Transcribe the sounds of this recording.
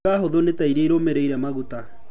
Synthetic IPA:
aɦoðonetaiɾeiɾomeɾeiɾɛmaɣuta

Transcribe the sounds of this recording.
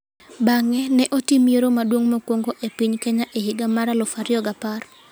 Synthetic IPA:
baŋɛnɛʔotimjeɾomadwoŋmokwoŋɡoʔepiɲkeɲaʔehɪɡamaɾalɔfaɾɪɔɡapar

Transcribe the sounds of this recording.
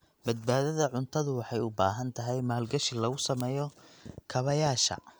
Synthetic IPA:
bɐd̪̚baːðɐðɐʕʊnt̪ʰɐðʊwɑħɑjʊbaːɦɐnt̪ʰɐɦɛjmaːlɡɐʃɪlɐɣʊsɐmɛːjɔkʰɐβɐjaːʃɐ̰

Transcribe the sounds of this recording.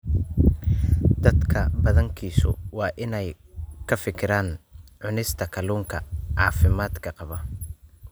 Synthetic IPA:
d̪ɐd̪kʰɐbɐðɐŋkʰiːsʊ̰wɑːʔɪnɛj | kʰɐfɪkʰɪɾaːnʕʊnɪst̪ʰɐkʰɐluːŋkʰɐʕɑːfɪmaːd̪kʰɐqɑβɐ

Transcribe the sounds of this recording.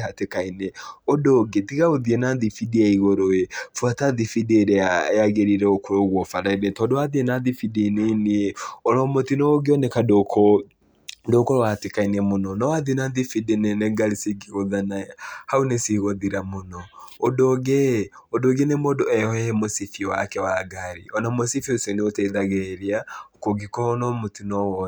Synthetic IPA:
ɦatekaineodoɡetiɣaoðienaðifidiɛiɣoɾoefuwataðifideɾeaaɣeɾiɾɛokoɾoɣwɔfaɾaiɾɛtɔndoaðienaðifideneniɔɾɔmotinɔɡeɔnɛkadoko | dokoɾɔwatekainɛmonɔnɔwaðinaðifidineneɡaɾisiɡiɣoðanahaunesiɣoðiɾamonɔodoɣɛ | odoɡenemodoɛɔɛmosifiwa̰kɛwaɡaɾiɔnamosifioseneoteiðaɣeɾiaokoɡikɔonɔmotinɔwɔ

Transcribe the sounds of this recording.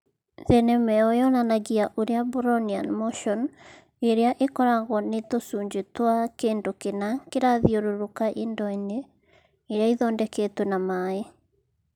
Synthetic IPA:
ðɛnɛmɛɔjɔnanaɣiaʔoɾeabuɾɔnianmoʃɔn | eɾeaʔekɔɾaɣwɔnetosuːɲd͡ʑetwakeːndokenakeɾaðioɾoɾokaʔendɔineː | ɾeaiðɔːndɛketwɛnamae

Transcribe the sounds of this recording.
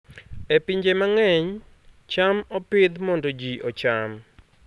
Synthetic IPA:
epiɲd͡ʒemaŋɛɲ | t͡ʃamɔpɪd̪mɔndod͡ʒiʔɔt͡ʃam

